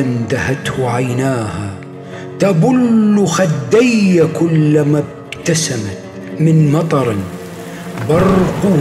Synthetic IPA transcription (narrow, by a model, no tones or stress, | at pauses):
and̪ahat̪hʊʕajnaːha | t̪abʊlːʊxad̪ːajːakʊlːamab̚ | t̪asamat̪ | mɪnmɑt̪ˤɑɾˤ | bɑrˤqʊ